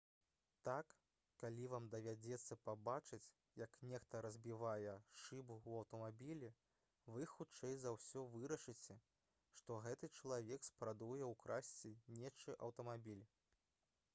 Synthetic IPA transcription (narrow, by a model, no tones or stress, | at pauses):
t̪akː | alʲivamd̪ɐvʲad͡zʲɛt̪sːɐpabat͡ʂɨt͡sʲ | jɐknʲɛxt̪ɐɾɐzʲbʲivajɛʂɨbuwɐwt̪ɐmabʲilʲi | vɨxut͡ʂɛjzɐwsʲɔvɨɾɐʂɨt͡sʲɛ | ʂt̪ɔɣɛt̪ɨt͡ʂɐlˠavʲɛkspɾad̪ujɛwkɾasʲt͡sʲinʲɛt͡ʂɨʔɐwt̪ɐmabʲilʲ